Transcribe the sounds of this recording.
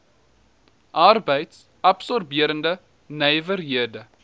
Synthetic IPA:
ʔɐrbəjts | ʔɐpsɔrbiəɾəndə | nɛjvərɦiədə

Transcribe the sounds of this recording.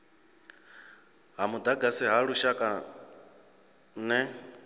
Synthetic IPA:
ɦamud̪aɡasɛɦaɺuʃakʼa | nɛ

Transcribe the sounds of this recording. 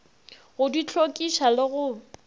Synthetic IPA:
ɣʊdit͡ɬʰokʼiʃalɪɣʊ

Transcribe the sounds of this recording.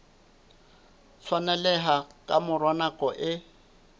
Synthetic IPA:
t͡sʰwanɛlɛɦakʼamʊrwanakʼɔʔɪ

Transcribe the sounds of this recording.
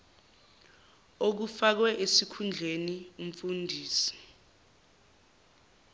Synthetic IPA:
ok̬ufak̬wɛʔesikʰund͡ɮʱenium̩fundʱiːsi̥

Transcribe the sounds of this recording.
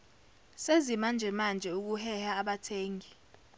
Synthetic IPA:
sezimand͡ʒʱɛmand͡ʒʱɛuk̬uhɛhaːɓatʰeːŋʱi

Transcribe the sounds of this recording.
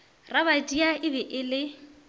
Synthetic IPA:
raβatʼiaɪbɛʔɪlɪ

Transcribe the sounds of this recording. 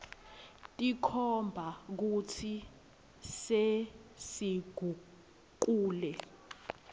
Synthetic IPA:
tʼikʰɔmbʱak̬utʰi | sesiɡ̥ʱu | k̬uːlɛ

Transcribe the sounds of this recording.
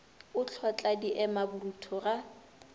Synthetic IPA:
ʊt͡ɬʰwat͡ɬʼadiʔɛmabʊrutʰɔra

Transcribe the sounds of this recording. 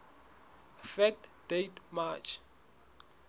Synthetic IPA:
fɛk̚td̥etmat͡ʃʰ

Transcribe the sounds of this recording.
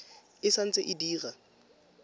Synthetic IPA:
ɪsan̩t͡sʼɪʔɪdiːɣa

